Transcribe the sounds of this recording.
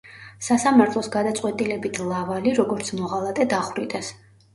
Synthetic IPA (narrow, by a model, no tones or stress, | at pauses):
sasamaɾt̪ʰlˠɔsɡad̪at̪sʼqʼwɛt̪ʼilɛbit̪ʰlˠavaliɾɔɡɔɾt̪sʰmɔʁalˠat̪ʼɛd̪aχwɾid̪ʼɛs